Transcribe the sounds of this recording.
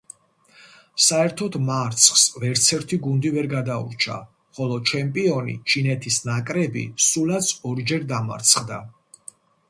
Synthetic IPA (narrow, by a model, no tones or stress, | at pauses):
saɛɾt̪ʰɔd̪maɾt̪sʰχsvɛɾt̪sʰɛɾt̪ʰiɡund̪ivɛɾɡad̪aṵɾt͡ʃʰa̰ | χɔlˠɔt͡ʃʰɛmpʼiɔnḭt͡ʃʰinɛt̪ʰisnakʼɾɛbḭsulat̪sʰɔɾd͡ʒɛɾd̪ama̰ɾt̪sʰχd̪a̰